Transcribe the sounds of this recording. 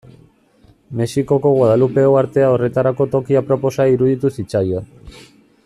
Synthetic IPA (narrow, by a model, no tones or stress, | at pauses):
me̞siko̞ko̞ɣwaðalupe̞owaɾt̪e̞ao̞re̞t̪aɾako̞t̪o̞kiapɾo̞po̞saiɾuðit̪usit͡ʃajoa